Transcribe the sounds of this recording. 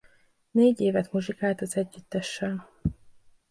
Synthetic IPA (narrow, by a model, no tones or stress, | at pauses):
neːɟeːvɛt̪moʒikaːlt̪ɒzɛɟːyt̪ːɛʃːɛl